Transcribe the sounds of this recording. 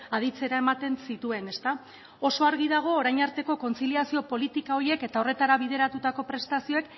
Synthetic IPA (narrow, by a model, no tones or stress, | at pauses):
að̞it͡se̞ɾae̞mat̪e̞nsit̪ue̞ne̞st̪a | o̞so̞aɾɣiðaɣ̞o̞ːɾajɲaɾt̪e̞ko̞ko̞nt͡siliasio̞po̞lit̪ikao̞ɾie̞ke̞t̪ao̞re̞t̪aɾaβið̞e̞ɾat̪ut̪ako̞pɾe̞st̪asio̞e̞k